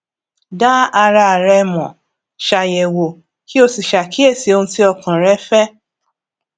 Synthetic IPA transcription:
da˦a˧ɾa˧˨ɾɛ˧˦mɔ̃˨ | ʃa˨jɛ˨wo˨ | ki˦o˧si˨ʃa˨ki˦e˦˨si˧o˧ũ˧ti˦ɔ˧kã˨ɾɛ˦fɛ˦

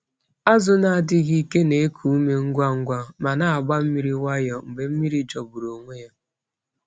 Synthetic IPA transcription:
a˦zʊ˦na˨a˨dɪ˦ɣi˦ke˦ne˨e˦kʰu˨u˦me˨ŋ̩˦ɡʷa˦ŋ̩˦ɡʷa˦ma˨na˨a˨ɡ͡ba˦m̩˦mi˦ɾi˦wa˦jɔ˨m̩˨be˨m̩˦mi˦ɾi˨t͡ʃɔ˨bu˨ɾo˨ŋʷe˦ja˦

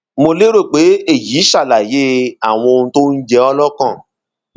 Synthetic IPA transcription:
mo˧le˦ɾo˦˨k͡pe˨˦e˦˨ji˨˦ʃa˦˨la˨je˦a˦˨w̃ɔ̃˧o˧nũ˧to˦n̩˦d͡ʒɛ˦ɔ˧lɔ˦kã˦˨

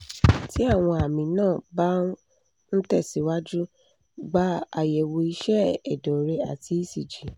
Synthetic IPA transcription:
ti˦a˦˨w̃ɔ̃˧a˨mĩ˧nãː˦˨ba˦ | n̩˦tɛ˦˨si˨˦wa˦d͡ʒu˦ | ɡ͡ba˧˦a˨jɛ˨wo˧i˧ʃɛ˦ɛ˨dɔ˨ɾe˧a̰˨ti˧˦i˦˨si˨d͡ʒi˨˦

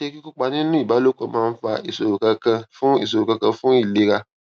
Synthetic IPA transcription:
e˧˦ki˦ku˦k͡pa˧nĩ˦nũ˦i˦˨ba˨˦lo˦kɔ̃˧˨˦mãː˦˧n̩˦fa˧i˨so˨ɾu˨kã˧kã˧fũ˦i˦˨s̬o˨ɾu˨kã˧kã˧fũ˦i˦˨le˦ɾa˧

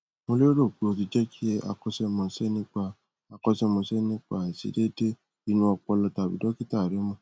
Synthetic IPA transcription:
mo˧le˦ɾo˦˨k͡po˧t̬i˧d͡ʒɛ˦kʰi˦ɛ˦a̰˧kɔ˦sɛ˦mɔ̃˧sɛ˦nĩ˦k͡pa˧ | a˧kɔ˦sɛ˦mɔ̃˧sɛ˦nĩ˦k͡pa˦˨ɛ˨sḭ˨˦de˦de˦ | i˧˦nũ˧˦ɔ˧k͡pɔ˧lɔ˧ta˨bḭ˨˦dɔ˦ki˦ta˦˨ɾɛ˨˦mɔ̃˦˧

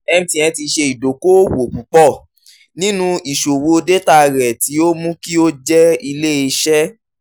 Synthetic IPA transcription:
ɛ˧m̩̃˦tĩ˧ɛ̃˧ti˧ʃe˧i˨do˨ko˦wo˨pu˨˦k͡pɔ˦˨ | nĩ˦nũ˦i˨ʃo˨wo˧de˦ta˦˧˨ɾɛ˨ti˨˦o˦mũ˦ki˦o˦d͡ʒɛ˦i˧le˦i˧ʃɛ˦

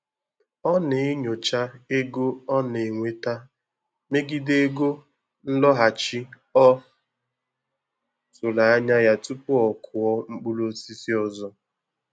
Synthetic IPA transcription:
ɔ˦ne˨ɪ˦ɲo˨t͡ʃa˦e˦ɡo˦ɔ˦ne˨ŋʷe˨ta˦ | me˦ɡɪ˦de˦ɡo˦ | n̩˦lɔ˦ɦa˨t͡ʃi˦ | ɔ˦ | so˨la˨a˦ɲa˦ja˦tu˦pʊ˦ɔ˨kʰʊ˨ɔ˦ŋ͡m̩˦k͡pu˦lo˦si˦si˦ɔ˦zɔ˦

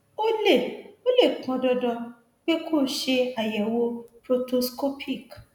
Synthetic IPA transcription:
o˦le˦˨o˦le˦˨kɔ̃˧dɔ˧dɔ̃˧ | k͡pe˦kʰo˦˨˦ʃe˧a˨jɛ˨wo˧pɾo˧to˧sko˦pʰi˦˨k

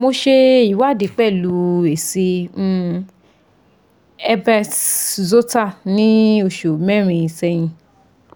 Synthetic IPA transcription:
mo˧ʃe˧i˨˦wa˦˨di˨˦k͡pɛ˦˨lu˨˦e˨sĩ˧˦ | ɛ˧bɛ˧zo˦ta˦˨nĩ˦o˧˨ʃo˨mɛ˦˨ɾ̃ĩ˧i˧˨sɛ˧j̃ĩ˧

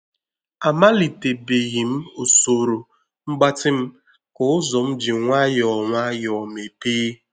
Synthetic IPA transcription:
a˨ma˦li˨te˨be˨ɣi˨m̩˦o˨so˨ɾo˨ | ŋ͡m̩˦ɡ͡ba˦tɪ˦m̩˦ | kʊ˨ʊ˦zɔ˨m̩˦d͡ʒi˨ŋʷa˦jɔ˨ŋʷa˦jɔ˨me˨peː˦

